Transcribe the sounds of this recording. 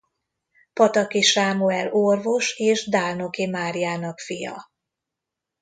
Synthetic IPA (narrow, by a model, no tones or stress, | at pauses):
pɒt̪ɒkiʃaːmuɛlorvo̞ʃeːʒd̪aːlno̞kimaːrijaːnɒkfijɒ̰